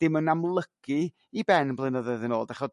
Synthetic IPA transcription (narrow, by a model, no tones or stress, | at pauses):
d̥ɪmənamlˠəɡ̥ɨ | ibɛnblˠɨnəðəðənoːlˠdaχɔ